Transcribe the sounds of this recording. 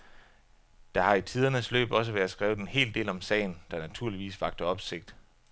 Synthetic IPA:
d̥ɑ̈hɑ̈it͡sʰiːð̞ˠɐnəslø̰ːb̥ɒ̽s̬əʋæɐð̩ˠsɡ̥ʁɛːʊð̩ˠe̝nhe̝̰ːld̥e̝̰ːlɒ̽msɛ̰ɪn̩d̥ɑ̈næt͡sʰuɐliʋḭːsʋɑ̈ɡ̥̚d̥ɐɒ̽b̥se̝ɡ̥̚d̥

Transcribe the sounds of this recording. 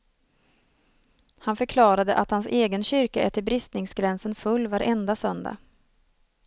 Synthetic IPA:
hanfœɾkʰlɑːɾad̪əʔat̪hanseːɡənɕʏɾkaʔɛt̪ːəɾbɾɪst̪nɪŋsɡɾɛnsənfɵlːvaɾʔɛnd̪asœnd̪a̰

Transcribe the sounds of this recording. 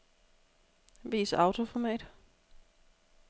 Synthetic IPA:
ʋiːsɑ̈ʊt͡sʰo̝fɒmɛ̰ːd̥

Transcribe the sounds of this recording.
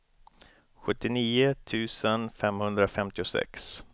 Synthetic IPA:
ɧɵt̪ːɪniːʊt̪ʰʉ̟ːsənfɛmhɵnd̪ɾafɛmt̪ɪʊsɛ̰ks

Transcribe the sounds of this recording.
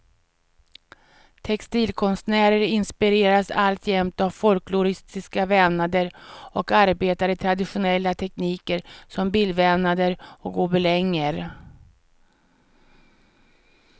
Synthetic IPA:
t̪ʰɛkst̪iːlkʰɔnst̪næːɾəɾɪnspɪɾeːɾasa̰lt̪ʰjɛmt̪avfɔlklʊɾɪst̪ɪskavɛnad̪əɾɔkaɾbeːt̪aɾət̪ʰɾad̪ɪɧʊnɛlːat̪ʰɛkniːkəɾsɔmbilvɛmnad̪əɾɔkʊbɛlɛŋːəɾ

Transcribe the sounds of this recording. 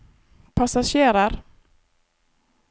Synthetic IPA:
pʰasaɕeːɾaɾ

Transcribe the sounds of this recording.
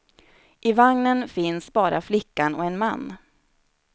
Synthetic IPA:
ʔɪvaŋnənfɪnsbɑːɾaflɪkːanɔɛnmanː

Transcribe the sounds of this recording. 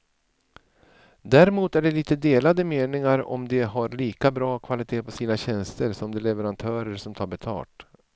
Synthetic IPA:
d̪æɾɛmuːt̪æɖɛliːt̪əd̪eːlad̪əmeːnɪŋaɾɔ̰md̪ɛɦaɾliːkabɾɑːkʰvalɪt̪ʰeːpʰɔsiːnaɕɛnst̪əɾsɔmd̪ɛlɛvɛɾant̪ʰœːɾəɾsɔmt̪ʰɑːɾbɛt̪ʰɑ̰ːʈ

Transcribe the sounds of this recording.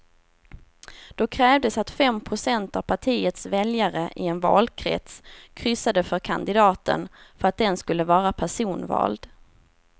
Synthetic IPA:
d̪̥ɔkʰɾɛːvd̪əsat̪fɛmpʰɾʊsɛnt̪avpʰaʈʰiːət̪svɛljaɾəʔɪɛnvɑ̰ːlkʰɾɛ̰t̪skʰɾʏsad̪əfœɾkʰa̰nd̪ɪd̪ɑːt̪ə̰nfœɾat̪̚d̪ɛnskɵlːəvɑːɾapʰæʂuːnvɑ̰ːld̪

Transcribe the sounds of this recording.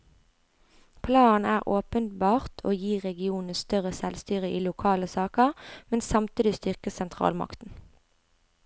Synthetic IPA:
pʰlɑːn̩æːʁʔoːpənbɑːʁt̪ʰo̰ːjiːʁɛɡɪuːnəst̪œʁəsɛlst̪yːʁəʔiːlʊkʰɑːləsɑːkəʁmɛnsɑmt̪iːd̪ɪst̪ʏʁkəsɛnt̪ʰʁɑ̰ːlmɑ̰kt̪n̩

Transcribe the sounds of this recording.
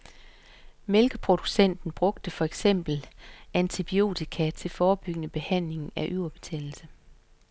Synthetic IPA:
melɡ̥əpʰʁo̝d̥usen̰d̥n̩b̥ʁɔ̽ɡ̥d̥əfɒ̽eɡ̥sem̰b̥l̩ʔænt͡sʰib̥io̝̰ːt͡sʰikʰæt͡sʰe̝lfɒːb̥yɡ̥ənəb̥e̝hæn̰le̝ŋ̩æʔyʊɐb̥e̝t͡sʰɛ̰l̩sə

